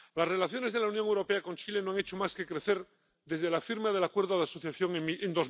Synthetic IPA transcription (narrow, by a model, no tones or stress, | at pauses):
lasre̞laθjo̞ne̞zðelaunjoŋewɾo̞pe̞ako̞nt͡ʃile̞no̞aŋet͡ʃo̞maske̞kɾe̞θeɾ | ðe̞zðe̞lafiɾmað̞e̞lakwe̞ɾðoð̞aso̞θjaθjo̞ŋiend̪o̞z